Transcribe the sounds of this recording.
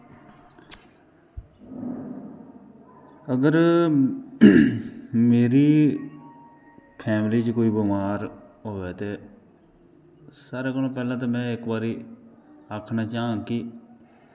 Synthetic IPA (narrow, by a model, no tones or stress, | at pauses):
əɡəɾ | meːɾiː | pʰɛːmliːt͡ʃkoːiːbəmaːɾ | ɦoːʋeːt̪eː | saːɾeːkəlõːpɛːlãːt̪̬ãːmɛ̃ːɪkbaːɾiː | aːkʰnaːt͡ʃaːãːkɪ